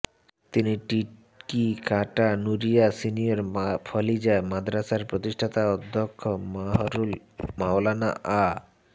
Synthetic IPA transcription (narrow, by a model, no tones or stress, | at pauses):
t̪iniʈiʈ | kikaʈanuɾijasinijoɾfʰɔlid͡ʑaemad̪ɾasaɾpɾot̪iʃʈʰat̪aɔd̪ʱːokʰːomaɦɾul | mawlana̰ʔa